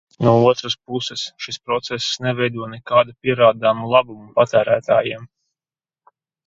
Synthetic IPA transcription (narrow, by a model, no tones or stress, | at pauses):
nuɔuɔt̪ɾaspusɛsʃispɾɔt̪sɛssnɛvɛjd̪uɔnɛkaːd̪upʲiɛɾaːd̪aːmulˠabumupat̪æːɾæːt̪aːjiɛm